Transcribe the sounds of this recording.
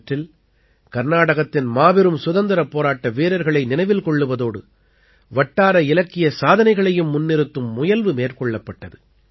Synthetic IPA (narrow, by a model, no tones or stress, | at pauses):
ʈrɪl | kɐɾnaːɽɐɣɐt̪ːɪnmaːbɪɾɯmsʊðɐnd̪ɐɾɐpːoːɾaːʈːɐʋiːɾɐɾɣɐɭɐɪnɪnɐɪʋɪlkɔɭːɯʋɐðoːɽɯ | ʋɐʈːaːɾɐɪlɐkːɪjɐsaːðɐnɐɪɣɐɭɐjɯmːʊnːɪɾɯt̪ːɯmːʊjɐlʋɯmeːrkɔɭːɐpːɐʈːɐðɯ